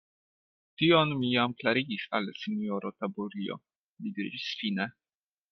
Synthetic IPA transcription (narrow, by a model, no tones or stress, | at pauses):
tionmijamklaɾiɡisa̰lsinioɾot̪abuɾio̰ | mid̪iɾḭd͡ʒisfine